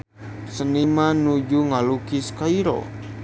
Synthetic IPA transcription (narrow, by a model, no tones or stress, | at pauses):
sənimanud͡ʒuŋalukiskaiɾɔ̰